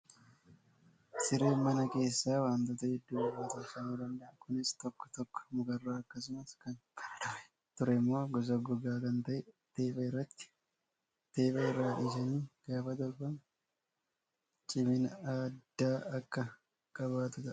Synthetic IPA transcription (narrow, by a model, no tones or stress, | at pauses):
sɪɾe̞ːmːɐnɐke̞ːsːaːwaːnt̪oːt̪ɐhɪd̪ːuːwɐaːt̪ɐːsɐniːd̪ɐnd̪ɐʔɐkʊnɪst̪ɔkːɔ̥t̪ɔkːɔ̥mʊɡɐrːaːɐkːɐs̬ʊmɐskɐnɐt̪ʊɾɛ̥ | t̪ʊɾɛɪmːo̞ːɡɔs̬ɐɡʊɡaːkɐnt̪ɐʔɛt̪eːbɐɪrːɐt̪ːɪ̥ | t̪e̞ːbɐɪrːaːʔɪʃɐniːɡ̥aːfɐd̪ɔɾbɐn | t͡ʃʼɪmɪnaːdd̪ːaːɐkːɐ | kʼɐβaːt̪ʊt̪ɐʔ